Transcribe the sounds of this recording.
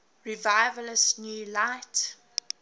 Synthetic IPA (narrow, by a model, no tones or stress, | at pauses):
ɹivaɪvələsnjuːlaɪt